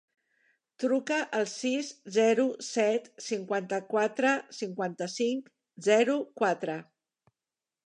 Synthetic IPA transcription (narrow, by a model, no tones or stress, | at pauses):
t̪ɾukəʔəlˠsiszɛɾusɛt̪siŋkwant̪əkwat̪ɾəsiŋkwant̪əsiŋk | zɛɾukwat̪ɾə